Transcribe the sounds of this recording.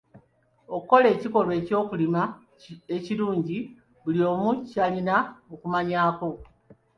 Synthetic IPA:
o̞kuko̞le̞ːciko̞lwe̞ːco̞ːkulima | eciluːɲɟi | βulio̞ːmucalinaokumaɲaːko̞

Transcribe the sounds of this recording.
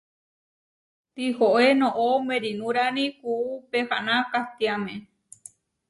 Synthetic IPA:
t̪ihoʔenõʔomẽɾinũɾanĩhuupeha̰nãkat̪iamẽ

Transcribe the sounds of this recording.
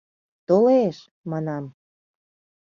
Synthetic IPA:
t̪oleʃ | mɑnɑm

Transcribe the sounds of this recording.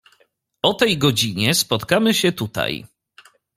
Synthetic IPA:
ɔt̪ɛjɡɔd͡ʑiɲɛspɔt̪kamɘɕɛt̪ut̪a̰j

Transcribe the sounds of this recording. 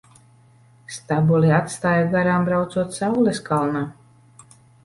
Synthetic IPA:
st̪abuliat̪st̪aːjaɡaɾaːmbɾawt̪suɔt̪sawlʲɛskalˠna

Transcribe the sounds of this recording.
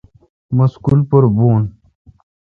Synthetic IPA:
məskulpəɾbuːn

